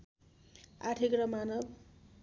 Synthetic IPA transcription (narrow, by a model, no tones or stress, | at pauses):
a̰ʈʰikrʌmanʌb